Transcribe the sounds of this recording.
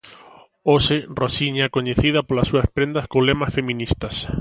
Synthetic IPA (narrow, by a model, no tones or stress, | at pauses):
osɪrosiɲakoɲeθiðɐpolasːuɐspɾend̪ɐskolemɐsfemĩnist̪ɐs